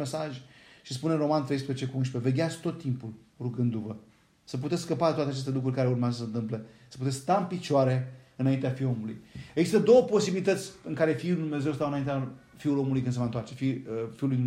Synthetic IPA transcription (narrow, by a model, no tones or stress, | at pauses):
mesaʒʲʃis̬puneɾo̞mant̪ɾejspɾezet͡ʃe̞kuunʃpeve̞ɡʲeat̪sk̚t̪o̞t̪ːimpul | ruɡɨnd̪uvə | səp̬ut̪et̪skskəpaet̪wat̪eat͡ʃest̪elukɾurʲkaɾe̞urmeazəsənt̪ɨmple̞sə̥put̪e̞skst̪aɨnpit͡ʃaɾe̞ɨnaint̪eafio̞mulṵjeɡzist̪əd̪o̞wəpo̞sibilit̪ət̪sʲɨŋkaɾe̞fiulujd̪umnezewst̪awɨnaint̪ea | fiulo̞mulujkɨnsevəɨnt̪oart͡ʃe̞fifiulujd̪u